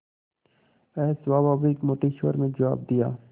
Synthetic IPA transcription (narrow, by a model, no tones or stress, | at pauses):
ɛːsʋaːbaːbikmoːʈiʃoəɾmẽd͡ʒəwa̰ːb̚d̪ijaː